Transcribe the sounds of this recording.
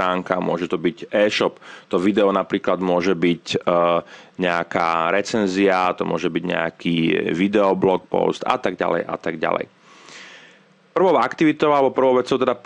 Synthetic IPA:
aːŋkamʊɔʒɛt̪ɔbiɟɛːʃɔpt̪ɔʋid̪ɛɔnapɾiːklad̪mʊɔʒɛbic | ɲɛaka̰ːɾɛt͡sɛnziat̪ɔmʊɔʒɛbiɟɲɛ̰akʰiʋid̪ɛɔblɔk̚pɔ̰st̪a̰t̪aɡɟa̰lɛ̰jʔa̰t̪aɡɟa̰lɛ̰j | pr̩ʋɔʊakt̪iʋit̪ɔʊalɛbɔpr̩ʋɔʊʋɛt͡sɔʊt̪ɛd̪ap

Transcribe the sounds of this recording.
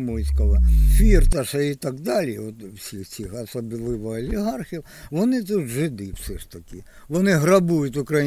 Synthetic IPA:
mojsʲkɐʋɐfʲirt̪ɐʂɐit̪aɡd̪alʲijɛʋot̪wsʲixsʲixɐsɔbʲilˠɪʋɐɐlʲɪɣarxʲiw | ʋɔnɨt̪ut̪ʐɨd̪ɨw̥sʲɛʂt̪ɐkʲi | ʋɔnɪɦrɐbujʊt̪ʲʊkɾɐ

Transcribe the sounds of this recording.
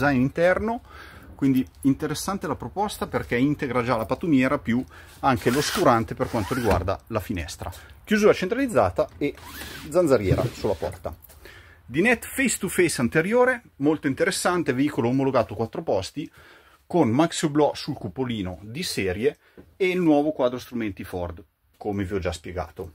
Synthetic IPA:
zajnint̪ɛrno | kwind̪i | int̪eɾesːant̪elapɾopɔst̪aperkɛint̪eɡɾad͡ʒalapat̪umjɛːɾapju | aŋk̟eloskuɾant̪eperkwant̪oɾiɡwa̰rd̪a̰lafinɛ̰st̪ɾa̰k̟juzuːɾat͡ʃent̪ɾalid̪zːa̰ːt̪aed̪zanzaɾjɛːɾa̰sulːapɔ̰rt̪a̰ | d̪inɛt̪ːfejst̪ufejsant̪eɾjoːɾe | molt̪oint̪eɾesːant̪eveiːkoloːmoloɡaːt̪okwat̪ːɾopɔst̪i | konmaksoblɔsulkupːoliːnod̪isɛːɾje | eilnwɔːvokwaːd̪ɾost̪ɾument̪ifɔrd̪ | komeviɔd͡ʒaspjeɡa̰ːt̪o

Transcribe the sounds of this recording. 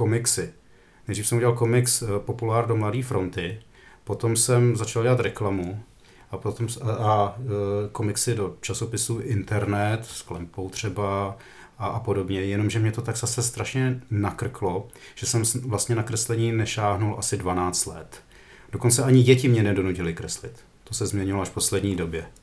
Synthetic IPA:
ko̞mɪksɪ | nɛjdriːfsɛmuɟɛlalko̞mɪkspo̞pulaːɾdo̞mladiːfɾo̞nt̪ɪ | po̞t̪o̞msɛmzat͡ʃalɟɛlat̪ɾɛklamu | ʔapot̪oma | ko̞mɪksɪdo̞t͡ʃaso̞pɪsuːʔɪnt̪ɛɾnɛt̪sklɛmpo̞wt̪r̝̥ɛbaː | po̞do̞bɲɛjɛno̞mʒɛmɲɛt̪o̞t̪aɡz̥asɛst̪ɾaʃɲɛnakr̩klo̞ʒ̥ɛsɛmvlast̪ɲɛnakɾɛslɛɲiːnɛʃaːɦnulʔasɪdvanaːt͡st̪lɛt̪ | do̞ko̞nt͡sɛʔaɲɪɟɛcɪmɲɛnɛdo̞nucɪlɪkɾɛslɪt̪ːo̞sɛzmɲɛɲɪvaloaʃfpo̞slɛdɲiːdo̞bjɛ

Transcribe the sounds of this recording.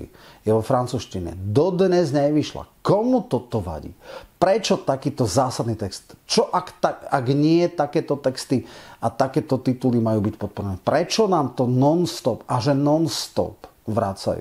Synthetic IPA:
ḭ | jɛʋɔfɾant͡suːʃciɲɛ̰d̪ɔd̪ɲɛzɲɛjʋiʃla̰kɔmut̪ɔt̪ɔʋa̰ɟḭpɾɛt͡ʃɔt̪akiːt̪ɔzaːsad̪nit̪ɛkst̪t͡ʃɔʔakt̪aaɡɲɪɛt̪akɛːt̪ɔt̪ɛkst̪iat̪akɛːt̪ɔt̪it̪ulimajuːbicpɔt̪̚pɔɾɛnɛpɾɛt͡ʃɔnaːmt̪ɔnɔnst̪ɔpaʒɛnɔnst̪ɔ̰p | ʋɾat͡sa̰jṵ

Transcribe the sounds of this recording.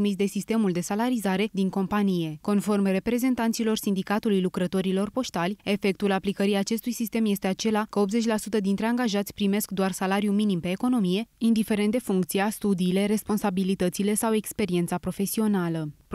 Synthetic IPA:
misd̪e̞sist̪e̞muld̪e̞salaɾizaɾe̞d̪iŋko̞mpanije̞ko̞nfo̞rmre̞pɾe̞ze̞nt̪ant̪silo̞rsind̪ikat̪ulujlukɾət̪o̞ɾilo̞rpo̞st̪alʲe̞fe̞k̚t̪ulaplikəɾiat͡ʃe̞st̪ujsist̪e̞mje̞st̪e̞at͡ʃe̞lakəo̞pze̞t͡ʃʲlasut̪əd̪int̪ɾe̞aŋɡaʒat̪sʲpɾime̞skd̪oarsalaɾjuminimpe̞ːko̞no̞mije̞ind̪ife̞ɾent̪d̪e̞fuŋkt̪siast̪ud̪iːle̞ɾe̞spo̞nsabilit̪ət̪sile̞sawe̞kspe̞ɾient̪sapɾo̞fe̞sio̞nalə

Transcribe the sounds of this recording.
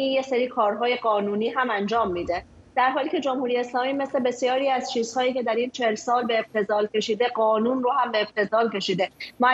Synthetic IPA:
ijeseɾiːkʰɒːɾɦɒːje̞ɡɒːnuːniːɦæmænd͡ʒɒːmːiːd̪e | d̪̥æɾɦɒːliːcʰe̞d͡ʒomhuːɾijeːslɒːmiːme̞sle̞be̞sjɒːɾiːæz̥t͡ʃʰiːz̥hɒːjiːcʰe̞d̪æɾiːnt͡ʃʰeelsɒːlbe̞ːb̚t̪ʰe̞zɒːlcʰe̞ʃiːd̪e̞ɡɒːnuːnrohæmbeːb̥̚t̪ʰe̞zɒːlce̞ʃiːd̪e̞mæ

